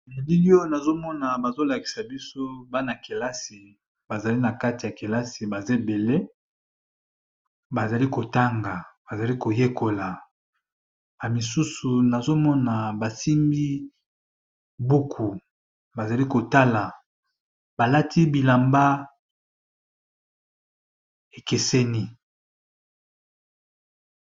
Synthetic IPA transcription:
ne˨li˦li˦o˦na˨zo˦mɔ˦na˨ba˨zo˦la˨ki̥˨sa˨bi˦so˦ba˦na˨ke˨la˦si˨ | ba˨za˨li˦na˨ka˦ti˨ja˨ke˨la˦si˨ba˨ze˦be˨le˦ | ba˨za˨li˦ko˨ta˦ŋɡa˨ba˨za˨li˦ko˨je˦ko˨la˨ | a˨mi˨su˦su˨na˨zo˦mɔ˦na˨ba˨si˦mbi˦ | bu˦kʰu˨ | ba˨za˨li˦ko˨ta˦la˨ | b̥a˨la˦tʰi˦bi˨la˨mba˦ | e˨ke˨sɛ˦ni˦

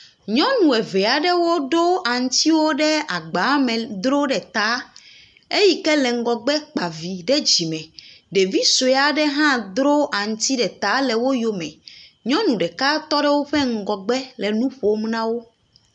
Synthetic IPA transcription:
ɲɔ̃˦nũ˨ɛ˨vɛ˨a˨ɖɛ˦wo˦ɖo˦ʔa˨ŋ̩˦t̪i˦wo˦ɖɛ˦a˨ɡ͡ba˨˦mɛ̃˨d̪ɾo˦ɖɛ˨t̪a˦ | e˦ji˦kɛ˦lɛ˨ŋ̩˦ɡɔ˨ɡ͡bɛ˦k͡pa˨vi˨ɖɛ˦d͡ʑi˨mɛ̃˨ɖe˨vi˦so˨ɛ˦˨a˨ɖɛ˦ɦã˦d̪ɾo˦ʔa˨ŋ̩˦t̪i˦ɖɛ˨t̪a˦lɛ˨wo˦jo˦mɛ̃˨ɲɔ̃˦nũ˨ɖɛ˨ka˦t̪ɔ˦ɖɛ˦wo˦ɸɛ˦ŋ̩˦˨ɡɔ˨ɡ͡bɛ˦lɛ˨nũ˦ɸo˨˦m˦nã˦wo˦

